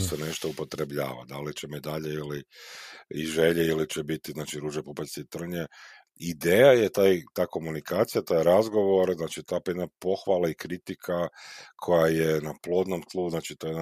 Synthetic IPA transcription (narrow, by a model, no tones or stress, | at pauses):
sene̞ʃt̪oupo̞t̪ɾe̞bʎa̰ːʋa̰d̪alit͡ʃemed̪aʎeili | iʒe̞ʎeilit͡ɕebit̪iznaːt͡ʃiɾuːʒepopesit̪r̩ɲe | id̪eːjajet̪aːjt̪aːko̞munikʰaːt̪sijat̪aːjɾazɡo̞ʋo̞ɾznaːt͡ʃit̪apjed̪napo̞xʋalaikɾit̪ikʰakʰo̞jajenaplˠo̞ːd̪nomt̪lˠuznaːt͡ʃi̥t̪ojed̪a